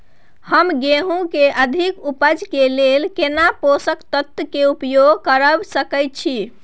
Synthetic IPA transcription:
həmɡeɦũkeʔəd̪ʱikupəd͡ʒkelelkenaposəkt̪ət̪ːəkeupjoɡʱkəɾəbsəkəjt̪̚t͡ʃʰi

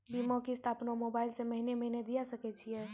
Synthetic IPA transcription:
bimõkist̪ʰaːpnomobaːɪlseməɦineməɦined̪ijasəkɛt͡ʃʰijɛː

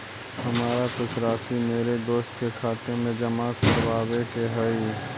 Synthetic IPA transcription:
hɐmaːɾakʊt͡ʃʰɾaːsimeːɾed̪oːst̪kekʰaːt̪emẽd͡ʒɐmakəɾwaːwekeɦɛi

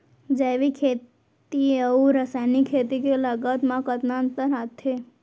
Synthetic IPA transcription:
d͡ʒaʋikʰe | t̪ieəũɾəsajnikʰet̪ikeləɡət̪mãkət̪nant̪əɾɦat̪ʰe

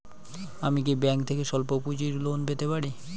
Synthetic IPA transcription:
amik̬ibɛŋkt̪ʰekeʃɔlpopud͡ʑiɾlonpet̪epaɽi

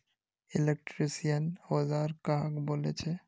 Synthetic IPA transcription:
ɪlek̚ʈɾisijənhozaɾkaɦãkbolḛt͡ʃʰe

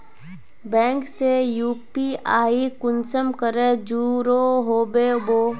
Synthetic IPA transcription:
bɛ̃ːŋksejuːpiaːikʊnsəmkəɾed͡ʒuːɾoɦoːbeboː

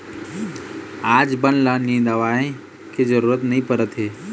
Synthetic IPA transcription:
aːd͡ʒbənlənĩːd̪əʋaːẽ | kezəɾuːɾət̪nɐɦĩpəɾət̪ɦeː

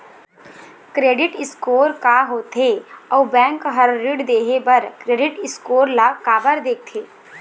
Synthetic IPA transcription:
kɾeːɖɪʈɪskoːɾkaɦoːt̪ʰeɔːbɛ̃ːŋkɦɐɾːɪɖd̪eːɦebɐɾkɾeːɖɪʈɪskoːɾlakaːbəɾd̪eːk̚t̪ʰeː

